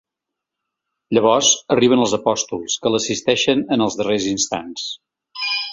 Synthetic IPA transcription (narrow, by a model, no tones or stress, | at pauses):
ʎəβ̞ɔzəriβ̞ənəlˠzəpɔst̪ulˠskəlˠəsist̪ɛʃənənəlˠzðərezinst̪a̰ns